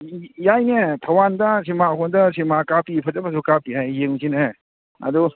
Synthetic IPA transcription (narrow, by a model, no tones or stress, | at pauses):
jajnetʰɐwandɐs̬imakʰondɐsimakapipʰɐdɐpʰas̬ukapiɦajjeŋsine | ɐ̰du